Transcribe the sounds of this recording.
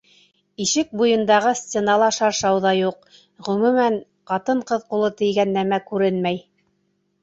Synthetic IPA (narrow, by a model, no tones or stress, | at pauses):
iʃɘk̚bujɤ̆nd̪ɑʁɤsʲt̪t͡s̪ʲenɑlˠɑʃɑɾʃɑwðɑjuq̚ | ʁɵ̆mʉmæɴ | qɑt̪ɤɴqɤðqulˠɤt̪ɘ̆jɡænːæmækʉɾɘnmæj